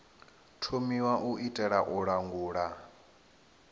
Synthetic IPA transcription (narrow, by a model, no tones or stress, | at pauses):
tʰomiwaʔuʔitʼɛɺaʔuɺaŋɡuːɺa